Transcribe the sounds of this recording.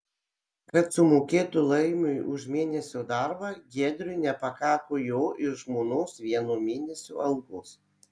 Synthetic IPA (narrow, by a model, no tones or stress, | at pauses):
kɐt̪sʊmoːkʲeːt̪ʊlˠɐɪmʲʊjʔʊʒmʲeːnʲɛsʲod̪ɑɾbɑːɡʲiɛd̪ʲɾʲʊɪnʲɛpɐkɑːkojoːʔɪʃʒmoːnoːsʋʲiɛnuːmʲeːnʲɛsʲṵːʔɐlˠkoːs